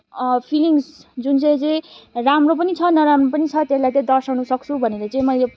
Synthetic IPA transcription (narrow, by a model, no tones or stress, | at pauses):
pʰiliŋsd͡zunt͡sʌ̃j̃t͡sʌj̃ramrop̬ʌnit͡sʰʌnʌɾamropʌnit͡sʰʌt̪eslajt͡sʌj̃d̪ʌrsawnusʌk̚t͡sʰubʱʌneɾʌt͡sʌĩmʌjle